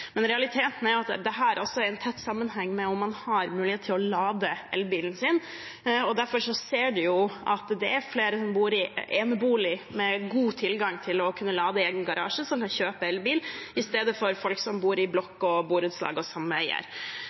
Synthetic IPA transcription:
mɛnɾɛɑlɪt̪ʰeːt̪n̩æɾjʊɑt̪d̪ɛɦæːɾʔɑlsɔæɾɛnt̪ʰɛt̪ːsɑmːənɦɛŋːmɛɔmːɑnhɑɾmʉːlɪheːt̪ʰːɪlɔlɑːd̪əɛ̰lbiːlənsɪn | ɔd̪æɾfɔɾʂɔseːɖʉjʊʔɑ̰t̪d̪ɛæɾfleːɾəsɔmbuːɾɪʔeːnəbuːlɪmɛɡuːt̪ʰɪlɡɑŋːt̪ʰɪlɔkʰʉnːəlɑːd̪əeːɡənɡɑɾɑ̰ːʂəsɔmkʰɑnçøːpəɛlʋbiːlɪst̪eːd̪əfɔɾfɔlksɔmbuːɾɪblɔkːɔbuːɾʉd̪slɑ̰ːɡəɔsɑmːəœɪə̰ɾ

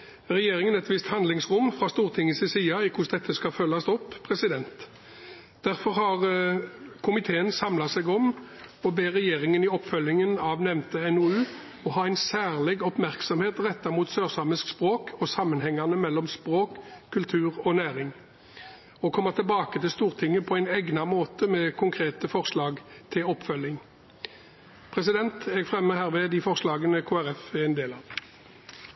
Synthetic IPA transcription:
ʁɛjeːʁɪŋənɛɛt̪ʋɪst̪hɑnd̪lɪŋsʁʊmfʁɑst̪uːʁt̪ʰɪŋəsɪsiːɑɪkʰʊsd̪ɛt̪ʰːəskɑfœlːɑst̪ɔpːpʰʁɛsɪd̪ɛnt̪ | d̪̥æʁfɔʁhɑʁ | kʰʊmɪt̪ʰeːənsɑmlɑsɛɡɔm | ɔbeːʁɛjeːʁɪŋənɪɔpːfœlːɪŋənɑʋnɛmnt̪əɛnoʉː | ɔɦɑːæɪnsæːʁlɛɡɔpmæʁksɔmheːt̪ʁɛt̪ːɑmuːt̪søːʁsɑməskspʁoːkʰɔsɑmːənhɛŋːɑʁnəmɛlːɔmspʁoːkʰːʉlt̪ʰʉːʁɔnæːʁɪŋ | ɔkʰɔmːəʁt̪ʰɪlbɑːkət̪ʰɪlst̪uːʁt̪ʰɪŋəpʰɔæɪnɛɡnɑmoːt̪əmɛːkʰʊŋkʰʁeːt̪əfɔʁslɑːɡt̪ʰɪlɔpːfœlːɪŋ | pʰʁɛsɪd̪ɛnt̪ɛɡfʁɛmːəhæːʁʋɛd̪iːfɔʁslɑːɡənəkʰoːæʁɛfɪɛɪnd̪eːlɑːʋ

